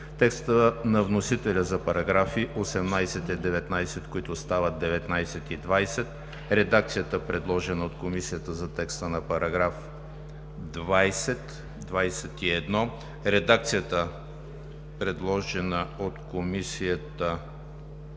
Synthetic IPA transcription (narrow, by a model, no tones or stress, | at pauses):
t̪ɛkst̪ənɐvnosit̪ɛlʲəzɐpɐɾɐɡɾafiʔosɛmnajsɛt̪ɛd̪ɛvɛt̪najsɛt̪koit̪ʊst̪avət̪̚d̪ɛvɛt̪najsɛt̪id̪vajsɛt̪ | ɾɛd̪ak̚t̪sijət̪əpɾɛd̪lˠɔʒɛnəot̪komisijət̪əzɐt̪ɛkst̪ənɐpɐɾʔɐɡɾaf | d̪vajsɛt̪ | d̪vajsɛt̪iɛd̪nɔ | ɾɛd̪ak̚t̪sijət̪ə | pɾɛd̪lˠɔʒɛnəot̪komisijət̪ə